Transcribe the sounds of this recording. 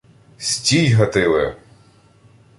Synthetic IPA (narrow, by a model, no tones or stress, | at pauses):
sʲtʲijɦɐt̪ɪlˠɪ